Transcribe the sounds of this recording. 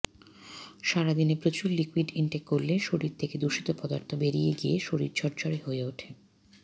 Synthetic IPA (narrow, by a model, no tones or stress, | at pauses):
ʃaɾad̪inepɾot͡ɕuɾlikwiɖiɳʈekːoɾleʃoɾiɾt̪ʰeked̪uʃi̥t̪opɔd̪aɾt̪ʰobeɾijeɡieʃoɾiɾt͡ɕʰɔɾd͡ʑaɾeɦoeoʈʰe